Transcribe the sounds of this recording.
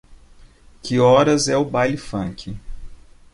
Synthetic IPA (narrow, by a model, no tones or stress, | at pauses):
kʰɪɔɾɐzɛʊbajlɪfɐ̃ŋkʰɪ